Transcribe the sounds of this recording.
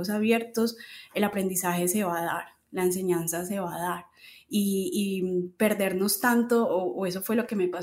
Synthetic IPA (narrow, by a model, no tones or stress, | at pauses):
os̬aβje̞ɾt̪o̞se̞lapɾe̞nd̪isaxe̞se̞βaða̰ɾ | laens̬e̞ɲansas̬e̞βaðaɾ | iː | pe̞ɾd̪e̞ɾno̞st̪ant̪o̞ːʔːe̞s̬o̞fwe̞lo̞ke̞mepa